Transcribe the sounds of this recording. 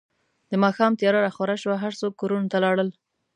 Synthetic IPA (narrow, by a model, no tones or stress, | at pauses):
d̪əmɑxɑmt̪jɑɾaɾaxwaɾaʃwaɦaɾsok̚kːoɾunot̪alɑɽəl